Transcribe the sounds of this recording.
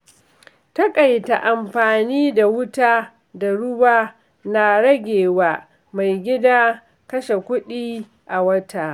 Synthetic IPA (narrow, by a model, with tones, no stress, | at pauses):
tɐ˦kʼa˨jta˨ʔa˨mɸaː˨niː˦da˨wʊ˦taː˦ | da˨ɽʊ˦baː˦ | na˨ɽɐ˦ɡʲeː˨waː˦ | ma˨jɡʲɪ˦daː˦ | kɐ˦ʃe˨kʷʊ˦ɗiː˦ | ʔa˨wɐ˦tʰa˨